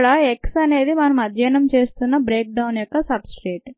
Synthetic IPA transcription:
ɭɐeksɐne̞ːd̪imɐnɐmɐd̪ʱjɐnɐmt͡ʃe̞ːst̪unːɐbɾe̞ːk̚ɖɐwnjɔkːɐsɐbsleːʈ

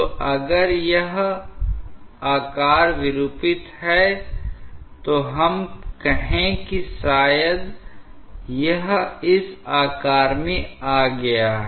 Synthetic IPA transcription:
t̪oʔɐɡəɾjɐɦ | aːkaːɾʋɪɾuːpɪt̪ɦɛ | t̪oːɦɐmkɛɦẽkisaːjəd̪ | jɐɦɪsaːkaːɾmẽaːɡɐjaːɦɛ

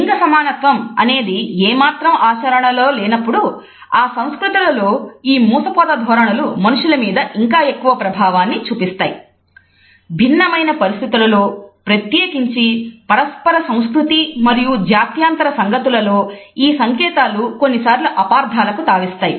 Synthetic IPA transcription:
ŋkɐsɐmaːnɐt̪ʋɐmɐne̞ːd̪ieːmaːt̪ɾɐmʔaːt͡ʃɐɾɐɳɐlo̞ːlɛːnɐpːuɽu | aːsɐ̃w̃skɾut̪ulɐlo̞ːiːmuːsɐpɔːt̪ɐd̪ʱʋɔːɾɐɳɐlumɐnuʂulɐmiːd̪ɐʔiŋkaːe̞kːuʋɐpɾɐbʱaːʋaːnːit͡ʃuːpist̪aːji | bʱinːɐmɐjnɐpɐɾist̪ʰit̪ulɐlo̞ːpɾɐt̪jeːkiɲt͡ʃipɐɾɐspɐɾɐsɐ̃w̃skɾut̪imɐɾijud͡ʒjaːt̪jaːnt̪ɐɾɐsɐŋɡɐt̪ulɐlo̞ːiːsɐŋkɛːt̪aːlukonːisaːɾluʔɐpaːɾd̪ʱaːlɐkut̪aːʋist̪aːjḭ

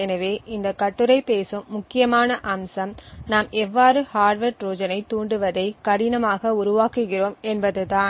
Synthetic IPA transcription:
ɛnɐʋeːʔɪnd̪ɐkɐʈːɯɾɐɪpeːsɯmːʊkːɪjɐmaːnɐʔɐmsɐmnaːmɛʋːaːɾɯhaːɾɖʋɐɾʈɾoːd͡ʒɐnɐɪt̪uːɳɖɯʋɐðɐɪkɐɽɪnɐmaːɣɐʊɾʊʋaːkɯɣɪroːmɛnbɐðɯt̪aːn

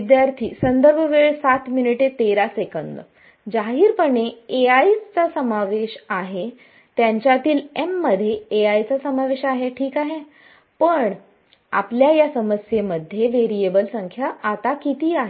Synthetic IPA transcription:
id̪jaɾt̪ʰiːsənd̪əɾbʱəʋeɭsat̪ʰminiʈet̪eɾasekənd̪ə | d͡ʑaɦiːɾpəɳeːait͡sasəmaʋeɕaɦe | t̪jaɲt͡ɕjat̪iːlemːəd̪ʱːjeeait͡sasəmaʋeɕaɦeʈʰiːkaɦe | pəɳ | a̰pljajasəməsjeməd̪ʱːjeʋeɾiebəlsəŋkʰjaːt̪akit̪iːaɦe

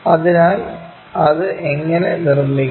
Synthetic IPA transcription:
ɐðɨnaːn | ɐðɨʔeŋːɐnenirɐmːi

